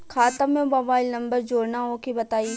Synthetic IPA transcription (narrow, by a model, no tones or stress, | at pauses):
kʰaːt̪əmẽbɐʋaːɪlnɐ̃mbəɾd͡ʒoːɽnaɦõkibɐt̪aːiː